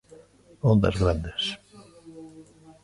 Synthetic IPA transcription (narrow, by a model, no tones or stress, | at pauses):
ond̪a̰zɣɾand̪es